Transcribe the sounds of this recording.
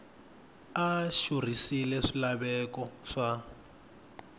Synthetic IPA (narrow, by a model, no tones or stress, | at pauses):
aʃur̤isilɛʂilaβɛkɔʂa